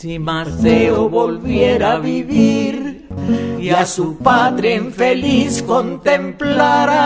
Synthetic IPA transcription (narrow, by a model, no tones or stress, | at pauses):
maɾθeoβo̞lβjeɾaaβiβiɾ | jasupaðɾeeɱfe̞lisko̞nt̪e̞mplaɾa